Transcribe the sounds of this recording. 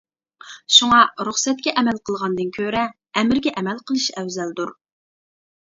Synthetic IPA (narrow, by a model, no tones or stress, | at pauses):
ʃuŋɑɾuχsɛt̪̚kʲɛʔɛmɛlqʰəlˠʁɑnd̪ɨnkʲʰøɾɛː | mɪɾɡʲɛʔɛmɛlqʰəlˠɨʃɛwzɛld̪uɾ